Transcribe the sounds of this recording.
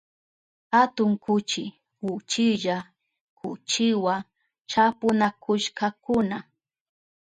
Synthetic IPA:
hat̪ʊŋkʊt͡ʃɪ | wʊt͡ʃɪʒa | kʰʊt͡ʃɪwa | t͡ʃapʊnakʊʃkakʊna

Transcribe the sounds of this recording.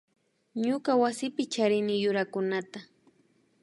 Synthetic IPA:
ɲʊkawasɪpɪt͡ʃaɾɪnɪjʊɾakʊnat̪a

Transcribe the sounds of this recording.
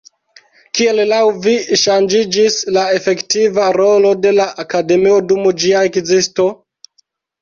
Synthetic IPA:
kie̞llawviʃand͡ʒid͡ʒislae̞fe̞ktivaɾo̞lo̞de̞laʔakade̞mio̞dumd͡ʒiaekzisto̞

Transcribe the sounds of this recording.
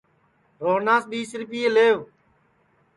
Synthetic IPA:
ɾoːnaːsɓiːsɾɪpiːeːleːʋ

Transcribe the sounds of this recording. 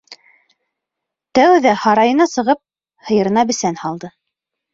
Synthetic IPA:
t̪æwðæhɑɾɑjɤ̆nɑsɤ̆ʁɤp̚ | hɤ̆jɤ̆ɾɤ̆nɑbɘ̆sænhɑlˠd̪ɤ

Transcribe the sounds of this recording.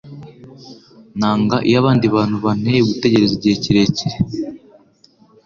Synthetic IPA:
naːŋɡaʔḭjaβaːndiβaːn̥huβan̥euɡute̞ɟe̞ɾeziɟeːciɾe̞ciɾe

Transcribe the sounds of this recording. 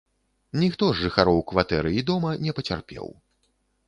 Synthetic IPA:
nʲixt̪ɔʐːɨxaɾɔwkvat̪ɛɾɨid̪ɔmɐnʲɛpɐt͡sʲa̰rpʲɛ̰w

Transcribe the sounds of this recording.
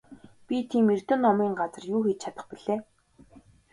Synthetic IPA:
pʲit̪ʰiːmer̥t̪ɵ̆nːɔmiːŋɢat͡sə̆rjuːxet͡ɕt͡ɕʰat̪ə̆χpiɮeː

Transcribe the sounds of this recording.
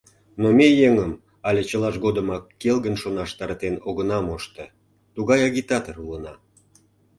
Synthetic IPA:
nomʲejeŋəm | ɑlʲet͡ɕəlɑʃɡod̪əmɑkːelɣənʃonɑʃt̪ɑɾt̪enoɣənɑmoʃt̪ə | t̪uɣɑjɑɣʲit̪ɑt̪ərulənɑ

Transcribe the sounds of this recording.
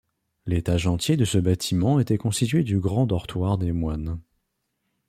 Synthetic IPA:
let̪aʒɑ̃t̪jed̪əsəbat̪ʰimɑ̃et̪ɛkɔ̃st̪it̪ɥed̪yɡʁɑ̃d̪ɔʁt̪waʁd̪emwan

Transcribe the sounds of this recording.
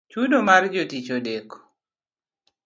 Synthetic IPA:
t͡ʃudomard͡ʒotit͡ʃodeko̥

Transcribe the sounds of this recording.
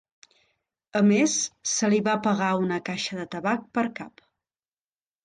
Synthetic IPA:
əmesːəliβapəɣaunəkaʃəðət̪əβak̚pəɾkap

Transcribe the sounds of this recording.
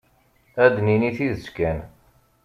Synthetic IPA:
æd̪niniθiðəskæn

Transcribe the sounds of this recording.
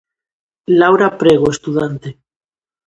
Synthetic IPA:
lawɾapɾeɣ̞oest̪uðant̪e

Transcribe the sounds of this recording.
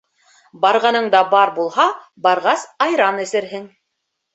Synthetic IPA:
bɑɾʁɑnɤɴd̪ɑbɑɾbulˠɦɑ | bɑɾʁɑsɑjɾɑnɘ̆sɘ̆ɾɦɘŋ

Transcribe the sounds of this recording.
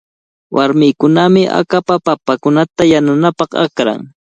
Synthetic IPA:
wʔaɾmɪjkʊnamɪʔa̰kapapapakʊnat̪ajananapɑχa̰kɾa̰ŋ

